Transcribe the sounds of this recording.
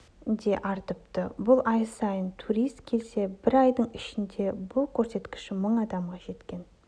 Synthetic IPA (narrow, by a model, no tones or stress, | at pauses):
d̪e̞ʔɑɾt̪əp̚t̪əbʊlˠɑjsɑjənt̪ʰuɾijst̪kʲʰe̞lse̞bɪɾɑjd̪əɴɪʃɪnd̪e̞bʊlˠkʲʰɵɾse̞t̪kʲɪ̥ʃɪməɴɑd̪ɑmʁɑʒe̞t̪kʲe̞n